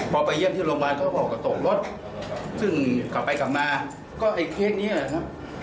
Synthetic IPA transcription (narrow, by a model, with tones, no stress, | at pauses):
pʰɔː˧pa˧jːi˥˩mt̪ʰiː˥˩lo˧ŋbaː˧jkɔː˥˩ɔː˨˩kːa˧˩t̪o˨˩k̚lo˦˥t̪̚ | sɯ˥˩ŋkla˨˩pːa˧jka˨˩p̚maː˧ | kɔː˥˩ʔa˧jkʰeː˥˩k̚niː˦˥˨a˨˩kʰa˦˥p̚